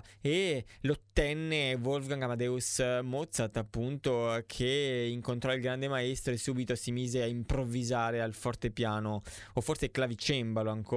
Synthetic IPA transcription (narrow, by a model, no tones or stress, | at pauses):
elot̪ːɛnːevolfɡaŋɡamad̪ɛusmot̪sat̪apːunt̪okʰeiŋkont̪ɾɔilɡɾand̪emaɛst̪ɾoesuːbit̪osimiːzeaimpɾovːizaːɾealfɔrt̪epjaːno | ofːorseklavit͡ʃɛmbaloaŋko